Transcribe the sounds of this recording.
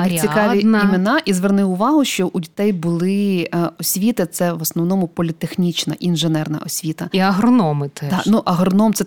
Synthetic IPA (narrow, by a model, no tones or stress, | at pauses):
t͡sʲikɑʋʲinimʲɐnɑʔizʋernɪʊʋɑɦʊʃt͡ʃɔʔʊdʲit̪ɛjbʊlˠɪɔsʲʋʲit̪ɪt̪sɛʋɔsnɔʋnɔmʊpɔlʲit̪exnʲit͡ʃnɐ̰ʔinʒenɛrnɐ̰ʔɔsʲʋʲit̪ɐiɐɦɾɔnɔmɪt̪ɛd̪ɑnuʔɐɦɾɔnɔmt̪sɛ